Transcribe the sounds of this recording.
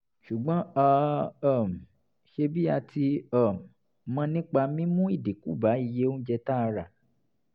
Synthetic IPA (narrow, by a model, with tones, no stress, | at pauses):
ʃu˨ɡ͡bɔ̃˨˦a˦˧˦m̩˨ | ʃe˧bi˦a˧ti˧a˦˨m˨ | mã˧nĩ˦k͡pa˧mĩ˦mũ˦i˦˨de˨kṵ˨˦ba˨˦i˦˨je˦õ˦d͡ʒɛ˧ta˦˧ɾa˨